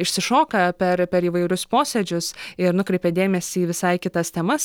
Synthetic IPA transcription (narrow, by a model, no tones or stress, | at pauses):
ɪʃʲsʲɪʃoːkɐpʲɛɾpʲɛɾiːʋɐɪɾʲʊspoːsʲɛd͡ʒʲʊsɪɾnʊkɾʲɛɪpʲeːd̪ʲeːmʲɛsʲiːʋʲɪsɐɪkʲɪt̪ɐst̪ʲɛmɐs